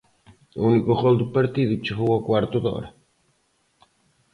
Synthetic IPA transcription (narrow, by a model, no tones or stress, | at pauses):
unikoɣold̪upaɾt̪iðit͡ʃoɦuɣakwaɾt̪uðo̰ɾa